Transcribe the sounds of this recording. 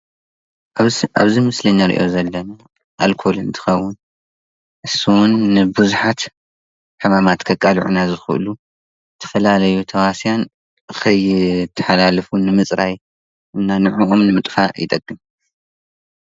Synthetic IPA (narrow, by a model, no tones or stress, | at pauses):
ʔaβzimɨslɐɲːaɾḭʔo̞zɐlːɐna | ʔalkʰo̞lɨnt̪ʰɨ̥xɐwːʊn | ʔɨsuwʊnːɨbɨzuħat̪ | ħɨmamat̪kʰɐkʼːalʕṵnazɨxɨ̰ʔɨ̰lu | t̪ʰɐ̥fɐlalɐjut̪ʰɐwasjan | ɨxɐjt̪ʰːɨ̥ħalalɨfunɨmɨt͡sʼɾaj | ʔɨnːanɨʕuʔomnɨmɨt̪ʼfajɪ̰t̪ʼɐkʼːɨm